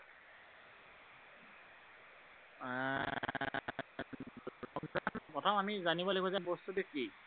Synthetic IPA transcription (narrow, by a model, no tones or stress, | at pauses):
ɔmzanpɔtʰɔmamizanibɔlekɔzabɔstudeki